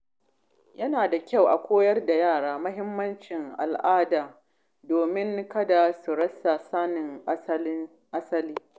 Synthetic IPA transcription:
jɐ˦naː˨da˨kʲa˦˨wʔa˨kʷoː˦jɐ˦rda˨jaː˦˨ɽaː˦mɐ˦hɪ˦mːɐ˦nt͡ʃɪ˨ŋʔa̰˨lʔaː˦daː˨ | doː˨mɪ˦ŋkɐ˦da˨su˨ɽɐ˦sa˨saː˦nɪ˨ŋ˦ | ʔa˦sɐ˦liː˦

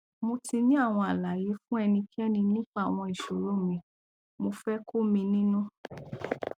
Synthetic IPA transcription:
mo˧tʰi˧nĩ˦a˦˨w̃ɔ̃˧a˨la˨je˨˦fũ˦ɛ˧nĩ˧kʰi˦ɛ˦nĩ˧nĩ˦k͡pa˦˨w̃ɔ̃˧i˨ʃo˨ɾo˨˦mĩ˧ | mo˧fɛ˦kʰo˦mĩ˧nĩ˦nũ˦

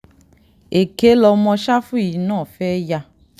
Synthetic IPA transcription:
e˨ke˨˦lɔ˧mɔ̃˧ʃa˦fu˦˨i˨˦nãː˦˨fɛː˦ja˧

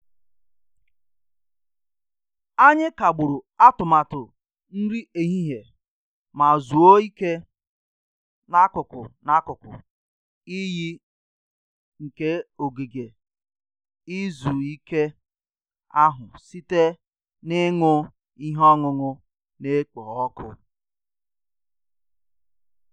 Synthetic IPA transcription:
a˦ɲɪ˦ka˨ɡ͡bʊ˨ɾʊ˨a˦tʊ˨ma˨tʊ˨ | n̩˦ɾi˦e˨ɦi˦ɦe˨ | ma˨zu˨o˦i˦ke˦ | na˦kʊ˨kʊ̰˨na˦kʊ˨kʊ̰˨ | i˦ji˦ | ŋ̩˨ke˦o˨ɡe˨ɡe˨ | i˦zu˨i˦ke˦ | a˦ɦʊ˨si˦te˦ | nɪ˦ŋʊ˦ | i˦ɦɔ˦ŋʊ˨ŋʊ˦ | ne˦k͡pɔ˨ɔ˦kʰʊ˦

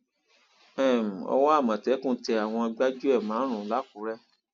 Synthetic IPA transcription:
ɛ˦˨m̩˨ɔ̰˧w̃ɔ̃˦a˦˨mã˨tɛ˨˦kũ˦˨˦tɛ˧a˨w̃ɔ̃˧i˧ɡ͡ba˦d͡ʒu˦ɛ˦˨mãː˨˦ɾ̃ũ˨˦la˨˦ku˨˦ɾɛ˦

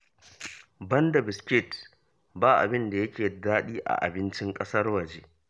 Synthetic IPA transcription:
bɐ˦ndɐ˨bɪ˨skʲɪ˦t | baː˦ʔa̰˨bɪ˦nda˨jɐ˦kʲeː˨daː˦ɗiː˦ʔa̰˨ʔa̰˨bɪ˦nt͡ʃɪ˦ŋkʼɐ˦sɐ˦rwɐ˨d͡ʒeː˦

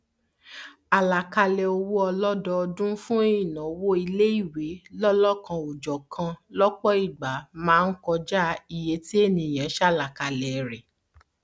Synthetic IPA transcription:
a˨la˨ka˧lɛ˨o˧wo˦ɔ˧lɔ˦dɔ˧ɔ˧dũ˦fũ˦e˦ĩ˦˨nã˨o˨˧˦wo˦i˧le˦i˦˨we˨˦lɔ˦lɔ˦˨kã˧o˨d͡ʒɔ˨kʰã˧lɔ˦k͡pɔ˦i˦˨ɡ͡ba˨˦mãː˦˧n̩˦kɔ˧d͡ʒa˦i˨je˨˦ti˦e˦˨nĩ˨j̃ã˨˦ʃɛ˦a˦˨la˨ka˧lɛ˨˧ɾɛ˨

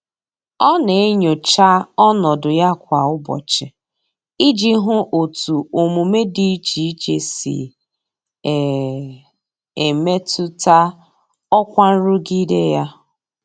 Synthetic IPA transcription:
ɔ˦ne˨e˦ɲo˨t͡ʃa˦ɔ˦nɔ˨dʊ˨ja˦kʷa˨ʊ˦bɔ̰˨t͡ʃɪ˨ | i˦d͡ʒi˦ɦʊ˦ʔo˨tu˨o˨mu˨me˦di˦i˦t͡ʃi˨i˦t͡ʃe˨sḭ˨ | e˨me˦tu˦ta˦ | ɔ˦kʷa˦n̩˦ɾu˦ɡi˦de˦ja˦

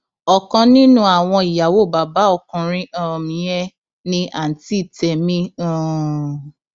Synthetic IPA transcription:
ɔ˨kɔ̃˧nĩ˦nũ˦a˨w̃ɔ̃˧i˨ja˨wo˦˨ba˨ba˨˦ɔ˦˧˨kɔ̃˧ɾ̃ĩ˦ã˦˨mĩ˨jɛ˦ | nĩ˧ʔa˨n̩˨ti˦˨tɛ˨mĩ˦ã˦˨

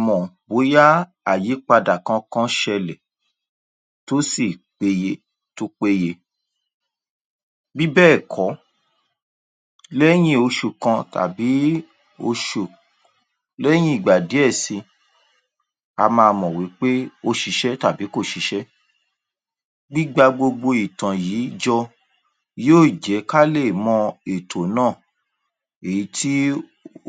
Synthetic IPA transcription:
mɔ̃˨bo˨˦ja˦ | a˨ji˨˦k͡pa˧da˨kã˧˦kã˦ʃɛ˧lɛ˨ | to˦si˦˨k͡pe˧je˧ | to˦k͡pe˧je˧ | bi˦bɛː˦˨kʰɔ˨˦ | lɛ˦j̃ĩ˦o˧ʃu˨kã˧ta̰˨bi˨˦ | o˧ʃu˨ | lɛ˦j̃ĩ˦i˦˨ɡ͡ba˨di˨˦ɛ˦˨sĩ˧ | a˧mãː˧mɔ̃˨wi˨˦k͡pe˦o˧ʃi˧ʃɛ˦ta˨bi˨˦ko˦˨ʃi˨˦ʃɛ˦ | ɡ͡bi˦ɡ͡ba˧ɡ͡bo˧ɡ͡bo˧i˨tã˨jiː˨˦d͡ʒɔ˧ | joː˦˨d͡ʒɛ˨˦ka˦le˦˨mɔ̃˧e˨tʰo˨nãː˦˨ | e˨ji˨˦ti˦

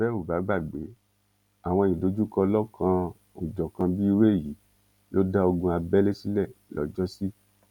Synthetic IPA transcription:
bɛ˦u˦˨ba˨˦ɡ͡ba˦˨ɡ͡be˨˦ | a˨w̃ɔ̃˧˨jĩ˨do˨˦d͡ʒu˦kɔ˧lɔ˦kʰã˧ | o˨d͡ʒɔ˨kã˧bi˦i˧we˦˨ji˨˦ | jo˦da˦o˧ɡũ˧a˧bɛ˦le˦si˦lɛ˦˨lɔ̰˨d͡ʒɔ˦si˦

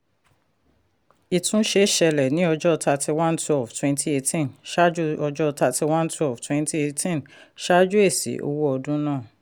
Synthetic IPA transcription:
i˨tʰũ˧˦ʃe˧˦ʃɛ˧lɛ˨nĩ˦ɔ˧d͡ʒɔ˦˧ta˧ti˧wã˦ntwɛ˦˨ftwɛ̃˧nti˦e˧tĩ˦nʃa˦d͡ʒu˦ɔ˧d͡ʒɔ˦ɔ˧ta˧ti˧wã˦ntu˦ɛ˦˨ftwɛ̃˧nti˦e˧tĩ˦n | ʃa˦d͡ʒu˦e˦˨sḭ˨˦ʔo̰˧wo˦ɔ˧dũ˦nãː˦˨

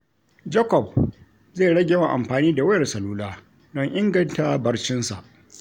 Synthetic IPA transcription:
d͡ʒɐ˦kɔ˨b̚ | zeː˦˨ɽɐ˦ɡʲe˨wa˨ʔa̰˨mɸaː˨niː˦da˨wɐ˦jɐ˨rsɐ˨luː˦laː˦ | dɔ˦ŋʔɪ˦ŋɡɐ˦nta˦bɐ˦ɽt͡ʃɪ˦nsa̰˨ʔ

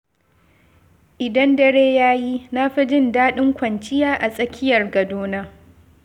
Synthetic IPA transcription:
ʔɪ˨dɐ˦ndɐ˦ɽeː˦jaː˦ji˦na˦ɸi˦d͡ʒɪ˦ndaː˦ɗɪ˦ŋkʷɐ˨nt͡ʃɪ˦jaː˦ʔa˨sʼɐ˦kʲʰɪ˦jɐ˨rɡɐ˨doː˦naː˦

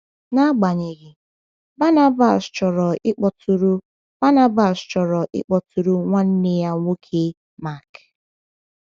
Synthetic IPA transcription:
na˦ɡ͡ba˨ɲe˨ɣɪ˨ | ba˦na˦ba˨st͡ʃɔ˨ɾɔ˨ʔɪ˦k͡pɔ˨tʰu˨ɾu˦ | b̥a˦na˦ba˨st͡ʃɔ˨ɾɔ˨ʔɪ̰˦k͡pɔ˨tu˨ɾu˦ŋʷa˦n̩˦ne˦ja˦ŋʷo˦kʰe˦ | ma˦˨k

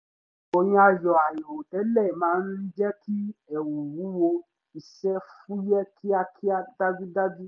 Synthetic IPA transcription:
o˧j̃ĩ˧˦a˧jɔ˨a˨jĩ˨o˨tɛ˨˦lɛ˦˨mãː˨˦˧n̩˦ɾi˦d͡ʒɛ˦ki˦ɛ˨wu˨wu˨˦wo˧ | i˧ʃɛ˦fũ˦jɛ˦kʰi˦a˧kʰi˦a˦da˦vi˦da˦vi˦

